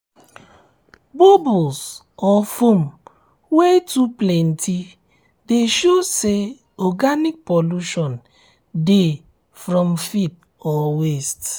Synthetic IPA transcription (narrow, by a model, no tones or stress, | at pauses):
bobuls | ɔfom | wetuplɛntʰi | deʃose | ɔɡanik̚pɔluʃɔn | de | fɾɔmfip̚ | ɔwest